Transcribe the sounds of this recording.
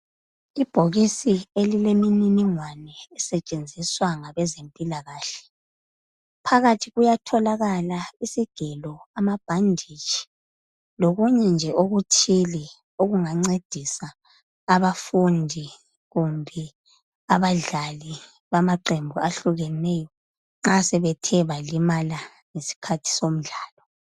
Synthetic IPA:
ib̥ʱoɣisielilemininiŋwanɛːsɛt͡ʃʼend͡zʱiswaŋaβɛzempʼilaɣaːɬɛ̥ | pʰaɣatʰiɣujatʰɔlaɣalaisiɡ̥ʱɛlɔamab̥ʱandʱit͡ʃi̥ | loɣuɲɛnd͡ʒʱɛʔoɣutʰili | oɣuŋaŋ͡ǀed̥ʱisaː | βafundʱi | ɣumbʱɛ | aβaɮali | βamaǃembʱuaɬuɣɛnɛjɔ | ŋ͡ǁasɛβɛtʰɛβalimala | ŋesi̥kʰatʰi̥som̩ɮaːlɔ

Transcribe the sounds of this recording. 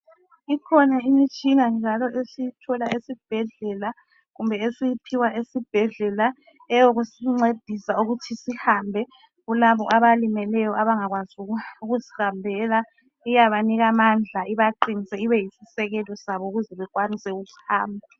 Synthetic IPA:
ikʰɔnaimit͡ʃʼinand͡ʒʱalɔʔesijitʰɔlaesib̥̚ʱɛɮɛla | ɣumbʱɛesijipʰiwaʔesib̥ʱɛɮɛla | ɛjoɣusiŋ͡ǀed̥ʱisauɣutʰisihambʱɛ | ɣulaβɔʔaβalimɛlɛjɔaβaŋaɣwazuuɣuzihambʱɛla | ijaβaniɣamand͡ɮʱaiβaǃinisɛiβɛjisisɛɣɛlɔsaβɔuɣuzɛβɛɣwanisɛuɣuhaːmbʱa

